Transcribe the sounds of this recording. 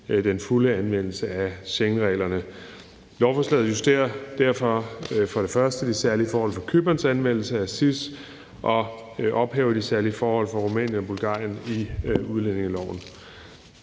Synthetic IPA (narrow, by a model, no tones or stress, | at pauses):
d̥enfuləænʋen̰l̩səæɕeŋʁɛ̰ːlɐnə | lɒʊfɒslɛ̰ð̩ˠjusd̥e̝̰ːɐd̥æɐ̰fɒfɒ̽ɾ̥e̝fɶɐsd̥əd̥isæɐlifɒːhɒ̽l̰fɒ̽kʰøb̥ɐnsænʋen̰l̩səæsis | ʔɒ̽ʔɒ̽b̥hɛʊɐd̥isæɐliəfɒːhɒ̽l̰fɒ̽ʁumɛ̰ːnjənɒ̽b̥ulɡ̥ɑ̰̈ːjəniuð̞ˠlene̝ŋælɒ̰ʊn̩